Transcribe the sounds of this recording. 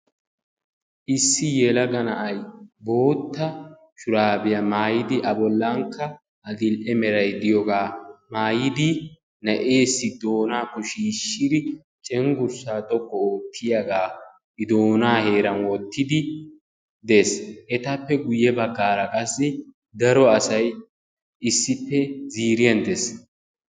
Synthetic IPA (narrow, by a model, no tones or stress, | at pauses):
ʔɪsːɪjɛlɐɡɐnɐʔɐjbo̞ːt̪ːɐ | ʃʊɾaːbɪjɐmaːjɪd̪ɪʔɐbɔlːɐŋkːɐ | ɐɡɪlʔɛmɛɾɐjd̪ɪjɔɡaːmaːjɪd̪ɪ | nɐʔe̞ːsːɪd̪o̞ːnaːkːɔʃiːʃːɪd̪ɪ | t͡ʃʼɛŋɡʊɾsaːt̪ʼɔkːɔoːt̪ʰːɪjaɡaː | ɪd̪oːnaːhe̞ːɾɐnwɔt̪ːɪd̪ɪ | d̪e̞ːsʔɛt̪ɐpːɛɡʊjːɛbɐɡːaːɾɐkʼɐsːɪ | d̪ɐɾɔɐsɐj | ɪsːɪpːɛziːɾɪjɐnd̪es